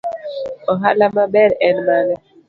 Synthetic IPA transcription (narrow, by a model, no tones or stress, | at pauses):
ɔɦalamabɛɾɛnbalɛ